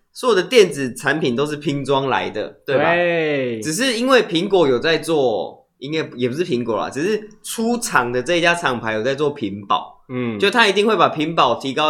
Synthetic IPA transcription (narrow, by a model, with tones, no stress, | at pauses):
sɔ˦˥jo˨˩d̪ə˩t̪jɛ˥˨˩nt͡sɹ̩˨˩t͡sʰa˧˦npʰi˨˩nt̪o˥ʊʂ̬ɻ̩˥˩pʰi˧˥ŋt͡swɑ˦ŋla̰˧˦ɪd̪ə̰˨t̪we˥˩ɪbaʈ͡ʂɻ̩˨˩ʂ̬ɻ̩˥˩i˥nwe˥˩ɪpʰi˧˦˥ŋkwɔ˧˥jo˨˩ʊt͡sa˥˧ɪt͡swɔ˥˩ | i˦ŋwa˥˩jɛ˨˩p̬u˦˥ʂɻ̩˥˩pʰi˧˦ŋkwɔ̰˨˩la̰˨t͡s̩˨˩ʂɻ̩˥˩ʈ͡ʂʰu˥ʈ͡ʂʰɑ˨˩ŋd̪ə˨ʈ͡ʂɤ˥˧i˥t͡ɕja˥t͡sʰɑ˨˩ŋpʰa˧˥ɪjo˨˩t͡sa˥˧ɪt͡swɔ˥˩pʰi˨˦npɑ̰˨˩˦ʊ˥˩˥t̪ʰa˥i˧˥t̪i˥˧ŋxwe˥˩ɪpa˨˩pʰi˨˧˥ŋpɑ˨˩ʊt̪ʰi˧˥kɑ˥˧ʊ